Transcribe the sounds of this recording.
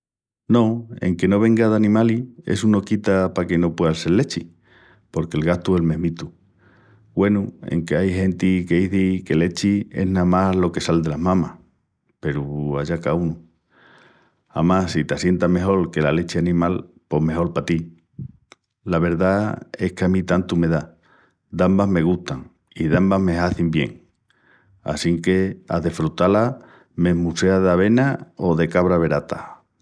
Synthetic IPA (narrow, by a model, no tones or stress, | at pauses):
no̞e̞̰ŋke̞no̞β̞e̞ŋɡaðanĩmalie̞̰suno̞kit̪apake̞no̞pwe̞ðase̞llːe̞t͡ʃi | po̞ɾke̞lɣaht̪uelme̞ɦmit̪u | ɡwe̞nuḛŋke̞ajɦẽ̞nt̪ike̞iθike̞le̞t͡ʃie̞̰ɦnamalo̞kesald̪e̞laɦmãmah | pe̞ɾuaʝakaunu | a̰masit̪asje̞nt̪ame̞ɦo̞lke̞lale̞t͡ʃeanĩmal | po̞ɦme̞ɦo̞lpat̪i | laβ̞e̞ɾðae̞hkeamĩt̪ant̪ume̞ða | d̪ambaɦme̞ɣ̞uht̪aŋ | iðambame̞ɦaθimbje̞̰ŋ | a̰siŋke̞a̰ðe̞fɾut̪ala | me̞muse̞aðaβ̞e̞naoðe̞kaβ̞ɾaβe̞ɾat̪a